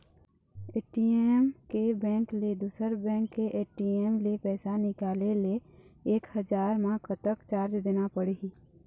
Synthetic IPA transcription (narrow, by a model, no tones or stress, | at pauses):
eːʈiemkebɛ̃ːŋkled̪uːsəɾbɛ̃ːŋkːeʔeːʈiemlepɛːsanɪkaːleleeːkhəd͡ʒaːɾmãkʰət̪əkt͡ʃaːɾt͡ʃd̪eːnapəɽei